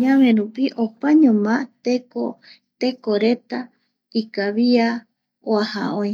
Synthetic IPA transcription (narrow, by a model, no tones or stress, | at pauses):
ɲãmẽɾupiʔopaɲõmãt̪eko | t̪e̞koɾe̞t̪a | ikaβia | oaha̰õj